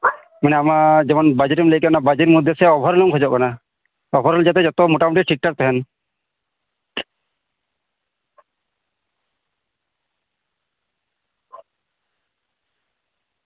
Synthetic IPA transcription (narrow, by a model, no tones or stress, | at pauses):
manɛamad͡ʒɛmɔnbad͡ʒɾimləjkanabad͡ʒiɾmud̪ʱːjesɛɔbʱɔɾlɔŋkʰɔd͡ʒɔʔkana | ɔbʱɔɾɔld͡ʒat̪ɛd͡ʒɔt̪ɔmɔʈamuʈiʈʰik̚ʈak̚t̪ɛɦɛn